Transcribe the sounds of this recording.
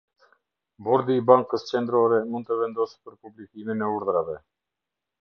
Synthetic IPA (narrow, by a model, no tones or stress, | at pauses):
bɔɾd̪iːbaŋkəst͡ʃɛnd̪ɾɔɾɛmund̪t̪əvɛnd̪ɔsi̥pəɾpublikiminɛuɾðɾavɛ